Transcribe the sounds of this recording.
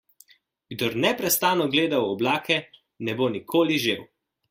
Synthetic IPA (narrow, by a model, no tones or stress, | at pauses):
ɡ̥d̪ɔɾnɛpɾɛst̪aːnɔɡleːd̪awɔblaːkɛ | nɛbonikʰoːliʒew